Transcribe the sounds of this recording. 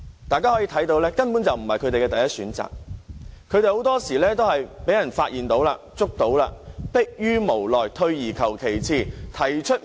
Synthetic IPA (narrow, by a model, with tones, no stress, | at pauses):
t̪aː˨jkaː˥ɔ˨˥jiː˧t̪ʰɐ˨˥jt̪o˧wlɛː˥kɐ˥npu˨˥nt͡sɐ˨wm̩˨˩hɐ˨jkʰɵ˨˧t̪e˨jkɛː˧t̪ɐ˨jɐ˥t̚syː˨˥nt͡sa̰ː˨k̚kʰɵ˨˧ɥt̪e˨˧jho˨˥wt̪ɔː˥siː˨˩lɛː˥t̪o˥wɦɐ˨jpe˨˥jɐ˨˩nfaː˧t̚jiː˨˩nt̪o˨˥wla̰ː˧ | t͡sʊ˥k̚t̪o˨˥wlaː˧pɪ˥k̚jyː˥mo˨˩wlɔː˨jt̪ʰɵ˧ɥjiː˨˩kʰɐ˨˩wkʰe˨˩jt͡sʰiː˥˩t̪ʰɐ˨˩jt͡ʃʰɵ˥t̚